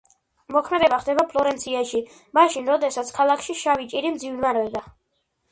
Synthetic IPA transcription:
mɔkʰmɛd̪ɛbaχd̪ɛbapʰlˠɔɾɛnt̪sʰiaʃi | maʃinɾɔd̪ɛsat̪sʰkʰalˠakʰʃiʃavit͡ʃʼiɾimd̪zivnvaɾɛd̪a

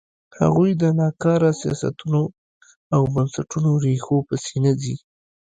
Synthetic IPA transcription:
ha̰ɣujd̪ənɑkɑɾasijɑ̰sa̰t̪uno | awbənsaʈunoɾexopəsenazi

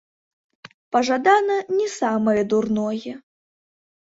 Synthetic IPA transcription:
pɐʐad̪anɐnʲɛsamɐjɛd̪urnɔjɛ

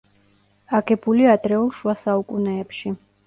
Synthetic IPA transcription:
aɡɛbuliad̪ɾɛulˠʃwasaukʼunɛːpʃi

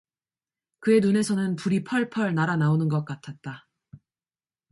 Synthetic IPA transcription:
kɯe̞nune̞sʰʌnɯnpuɾipʰʌɭpʰʌɭnaɾanaonɯnɡʌk̚k͈atʰat̚t͈a

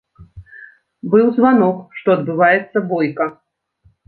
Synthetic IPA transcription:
bɨwzvanɔkʂt̪ɔɐd̪̚bɨvajɛt̪sːɐbɔjkɐ

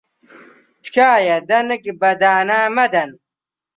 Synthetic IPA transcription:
t̪kʰaːjɐd̪ɐnəkbɐd̪aːnaːmɐd̪ɐn

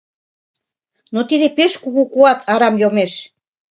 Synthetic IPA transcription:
not̪iðepeʃkuɣukuɑt̪ʰɑɾɑmjomeʃ

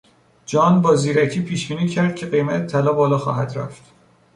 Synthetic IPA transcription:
d͡ʒɒːnbɒːziːɾæcʰiːpʰiːʃbiːniːcʰæɾd̪̥̚cʰe̞ɢe̞jmæt̪ʰet̪ʰælɒːbɒːlɒːxɒ̰ːɦæd̪ɾæ̰ft̪

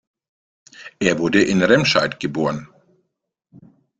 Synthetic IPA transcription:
ʔeːɐvʊɐdəʔɪnʁɛmʃaɪtɡ̥əboːɐʁən

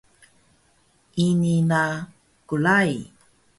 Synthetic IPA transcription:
ʔinina | kulaj

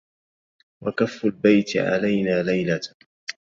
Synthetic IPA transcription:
wakafːalbajt̪ʕa̰lajnaːlajla

